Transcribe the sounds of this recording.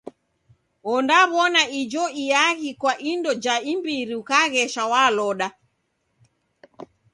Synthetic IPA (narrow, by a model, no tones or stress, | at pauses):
ɔndaβɔnaid͡ʒɔijaɣikwaʔindɔd͡ʒaimbiɾiukaɣɛʃawalɔɗa